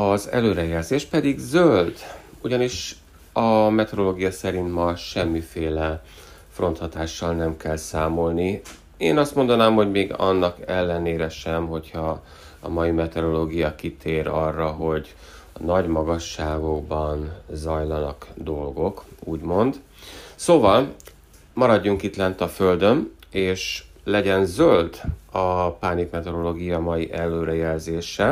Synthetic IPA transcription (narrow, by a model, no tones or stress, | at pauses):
ɒzɛ̰løːɾɛjɛlzeːʃpɛd̪iɡzøld̪ | uɟɒniʃ | ɒmɛt̪ɛɾo̞loːɡijɒsɛɾint̪mɒʃɛmːifeːlɛ | fro̞nt̪hɒt̪aːʃːɒlnɛmkɛlsaːmo̞lni | eːnɒst̪mo̞nd̪ɒnaːmho̞ɟmeːɡɒ̰nːɒkɛlːɛneːɾɛʃɛmɦo̞chɒ | ɒ̰mɒjimɛt̪ɛɾo̞loːɡijɒkit̪ʰeːɾɒrːɒɦo̞ɟ | nɒɟmɒɡɒʃːaːɡo̞ɡbɒnzɒjlɒnɒkd̪o̞lɡo̞kuːɟmo̞nd̪ | soːvɒl | mɒɾɒɟːuŋkit̪lɛnt̪ɒføld̪ø̞neːʃ | lɛɟɛnzøld̪ɒpaːnikmɛt̪ɛɾo̞loːɡijɒmɒjiʔɛlːøːɾɛjɛlzeːʃɛ